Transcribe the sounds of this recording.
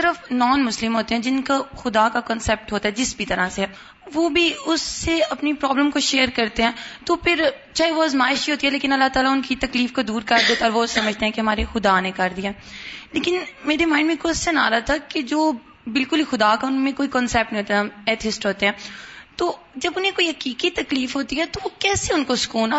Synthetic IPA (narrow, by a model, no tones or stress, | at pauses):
t̪əɾəfnɔːnmʊslɪmɦoːt̪eɦɛ̃ːd͡ʒɪnkaxʊd̪akakɔːnsɛːp̚ʈɦoːt̪aɦɛd͡ʒɪsbʱit̪ɐɾaseɦɛː | ʋobʱiʊsːeɐpnipɾɔːbləmkoʃeːəɾkɐɾt̪eɦɛ̃ːt̪opʰɪɾt͡ʃaːeʋozmaːɪʃiɦoːt̪iɦɛleːkɪ̃nɐlːaɦt̪aːlaʊnkit̪ɐkliːfkod̪uːɾkɐɾd̪eːt̪aɔːɾʋosɐməd͡ʒʱt̪ẽɦɛ̃keɦɐmaːɾexʊd̪anekɐɾd̪ijaɛ | leːkɪnmeːɾemãːɪ̃ɳɖmẽkʊssənaːɾat̪ʰaked͡ʒoː | bɪlkʊlixʊd̪aːkaʊnmẽkoːikɔːnsɛːp̚ʈnĩɦoːt̪aɛt̪ʰɪsʈɦoːt̪eɦɛ̃ːt̪oː | d͡ʒɐbʊnɦẽkoːiɦɐkiːkit̪ɐkliːfɦoːt̪iɦɛt̪oʋokɛːseʊnkosʊ̥kuːna